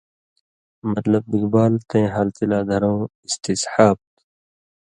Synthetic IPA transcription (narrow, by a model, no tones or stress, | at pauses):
mɐt̪lɐbbiɡbaːlt̪ẽːɦɐlt̪ilaːd̪ʱɐɾõːist̪ishaːb̚t̪